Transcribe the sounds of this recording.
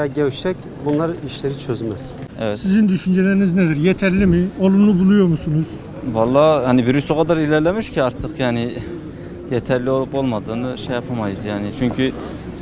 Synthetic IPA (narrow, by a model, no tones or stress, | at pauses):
aɟɛwʃɛc | bunlˠɑɾiʃleɾit͡ʃʰøzmɛz̥ | ɛvɛsizind̪yʃynd͡ʒelæɾinizned̪iɾjet̪ʰæɾlʲimiolˠumlˠubulˠujoɾmusunuz̥ | vɑlˠːɑːjaniviɾysoqʰad̪aɾilʲɛɾlʲɛmiʃcʰiɑɾt̪ʰɯqjaːni | jɛt̪ʰæɾlʲio̞lˠupo̞lˠmad̪ɯːnɯʃejapʰamajɯzjaːnit͡ʃʰyɲcʰy